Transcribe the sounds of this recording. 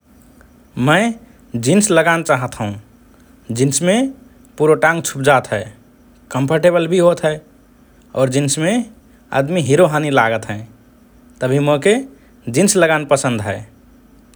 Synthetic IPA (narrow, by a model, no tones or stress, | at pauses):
mə̃ɪ | d͡ʒinsləɡant͡ʃaɦət̪ɦũ | d͡ʒɪnsmẽ | puɾoʈãŋɡt͡ʃʰup̚d͡ʒat̪ɦɛː | kə̃mpʰəɾʈebəlbʱiɦot̪ɦɛ | ɔːɾd͡ʒinsmẽ | ə̰d̪miɦiɾoɦaːnilaɡət̪ɦɛ̃ː | t̪əbʱimoke | d͡ʒinsləɡanpəsə̃nd̪ʱɦɛː